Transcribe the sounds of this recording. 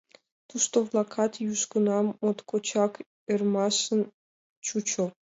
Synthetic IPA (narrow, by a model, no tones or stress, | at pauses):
t̪uʃt̪ovlˠɑkʰɑt̪juʃkə̆nɑmot̪kot͡ɕɑk | ermɑʃə̆n | t͡ɕut͡ɕŏ